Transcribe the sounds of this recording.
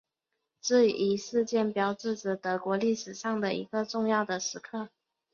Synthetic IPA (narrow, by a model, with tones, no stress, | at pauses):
ʈ͡ʂ̩˥˩˨i˧˥ʂɻ̩˥˧t͡ɕjɛ˥˩npjɑ˧˥ʊʈ͡ʂɻ̩˥˩ʈ͡ʂə˨˩t̪ɤ˧˥kwɔ˧˥li˥˩ʂɻ̩˨˩ʂɑ˥˩ŋd̪ə˩ʔḭ˧˥ɡə˧ʈ͡ʂʊ˥˧ŋjɑ˥˩ʊd̪ə˩ʂɻ̩˧˥kʰɤ˥˩